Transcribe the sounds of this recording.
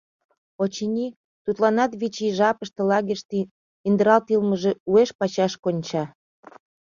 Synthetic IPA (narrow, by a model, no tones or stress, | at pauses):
ot͡ɕinʲi | t̪ut̪lɑnɑt̪βit͡ɕiʒɑpəʃt̪elɑɣiʃt̪i | ind̪əɾɑlt̪ilməʒeueʃpɑt͡ɕɑʃkonʲt͡ɕɑ